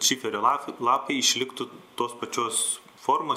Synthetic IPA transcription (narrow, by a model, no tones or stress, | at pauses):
t͡ʃʲiːfʲɛɾʲoːɑlˠɑːpɐɪɪʃʲlʲɪkt̪ʊt̪oːspɐt͡ʃʲoːs | foːɾmo